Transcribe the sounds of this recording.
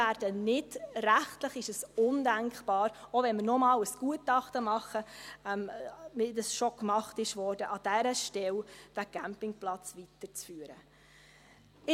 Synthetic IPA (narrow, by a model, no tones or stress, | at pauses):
æːɾd̥ənɪd̥ræχtləχɪʃəsʊndæŋkχb̥ɑːɾovɛnməɾnɔmɑːləsɡ̥uətɑχtəmɑχəɛmmɪdəsʃokmɑχtɪʃʋɔɾd̥əʔɑd̥æɾəʃtɛld̥æɡ̥æmpɪŋplɑt͡sʋitəɾt͡sfyəɾə | ɪ